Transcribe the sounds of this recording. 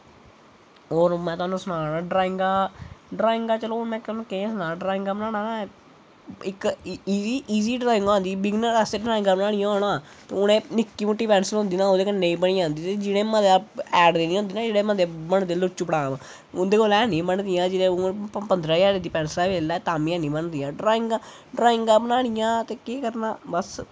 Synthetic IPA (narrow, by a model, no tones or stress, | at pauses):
ɦoːɾmɛ̃ːt̪ʊaːnũːsʊnaːnãːɖɾaːɪ̃ŋɡaːɖɾaːɪ̃ŋɡaːt͡ʃəlomɛ̃ːkːlõːkẽsʊnãːɖɾaːɪ̃ŋɡaːbənaːɽãːnãː | ɪkiiːʔiːziːɖɾaːɪ̃ŋɡãːnd̪iːbɪɡnəɛseɖɾaːɪ̃ŋɡaːbənaːɽ̃ĩjãːoːɽ̃aː | t̪eʊñẽːnɪkːiːmʊʈːiːpɛːnsəlɦʊ̃nd̪iːnãːoːd̪eːkənːeːiːbəɽĩːãːnd̪iːt̪ed͡ʒɪɽẽːmət̪eaɛːɖd̪eːnĩːɦõnd̪iːnãːd͡ʒeːɽeːməd̪ebəɳd̪eːlʊt͡ʃːuːpəɽaːm | ʊd̪eːkoːlɛːnĩːbəɳd̪ijãːd͡ʒɪnẽːpənd̪ɾaːd͡ʒaːɾeːd̪iːpɛːnslaːʋeːlɛːt̪aːmĩãːnĩːbəɳd̪ijãːɖɾaːɪ̃ŋɡa | ɖɾaːɪŋɡaːbənaːɽ̃ɪjãːt̪eːkeːkəɾnaːbəs